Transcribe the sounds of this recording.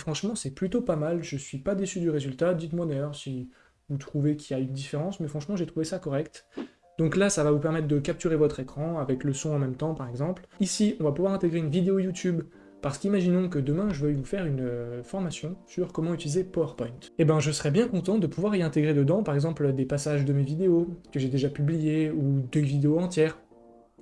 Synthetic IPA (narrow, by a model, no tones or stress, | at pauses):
fχɑ̃ʃmɑ̃sɛplyt̪opamalʒəsɥipad̪esyd̪yʁezylt̪ad̪it̪mwad̪ajœʁsi | vut̪χuvekʲijaynd̪ifeʁɑ̃smɛfχɑ̃ʃmɑ̃ʒet̪χuvesakɔʁɛkt̪ | d̪ɔ̃klasavavupɛʁmɛt̪χd̪əkap̚t̪yʁevɔt̪χekχɑ̃avɛkləsɔ̃ɑ̃mɛmt̪ɑ̃paʁɛɡzɑ̃plisiɔ̃vapuvwaʁɛ̃t̪eɡʁeynvid̪eojut̪yb | paʁsə̥kimaʒinɔ̃kəd̪əmɛ̃ʒəvœjvufɛʁynøfɔʁmasjɔ̃syʁkɔmɑ̃yt̪ilizepɔœʁpɔj̃nt̪ebɛ̃ʒəsəʁɛbjɛ̃kɔ̃t̪ɑ̃td̪əpuvwaʁiɛ̃t̪eɡʁed̪əd̪ɑ̃paʁɛɡzɑ̃pld̪epasaʒd̪əmevid̪eokəʒed̪eʒapyblijeud̪evid̪eoɑ̃t̪jɛːʁ